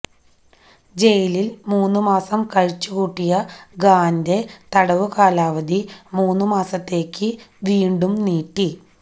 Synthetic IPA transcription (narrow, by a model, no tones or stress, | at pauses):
d͡ʑe̞jililmuːnːumaːsɐmkɐɻt͡ɕːukuːʈːijɐɡaːnde̞t̪ɐɽɐʋukaːlaːʋɐd̪imuːnːɨmaːsɐt̪ːe̞ːkːɨʋiːɳɖumniːʈːi